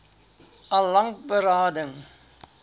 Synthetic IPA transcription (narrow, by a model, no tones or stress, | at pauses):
ɐlɐŋk̚bəɾɑːdəŋ